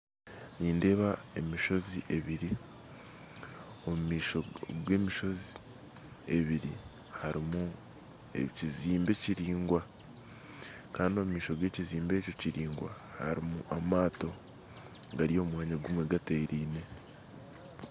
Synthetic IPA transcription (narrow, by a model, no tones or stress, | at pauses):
niːnde̞ːβae̞miʃo̞ziʔe̞βiɾi | o̞mumiːʃoɡwe̞ːmiʃo̞zi | e̞βiɾi | haɾimu | ḛciziːmbe̞ciɾiːŋɡwa | kaːndio̞mumiːʃo̞ɡwe̞ːciziːmbe̞ːco̞ciɾiːŋɡwa̰ | ha̰ɾimṵamaːto̞ | ɡaɾio̞ːmwaːɲaɡumwe̞ɡate̞ɾiːne̞